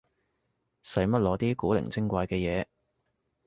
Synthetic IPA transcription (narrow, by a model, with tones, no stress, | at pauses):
sɐ˨˥jmɐ˥t̚lɔː˨˧t̪iː˥kuː˨˥lɪ̰˨˩ŋt͡sɪ˥ŋkʷaː˧jkɛː˧jɛː˨˧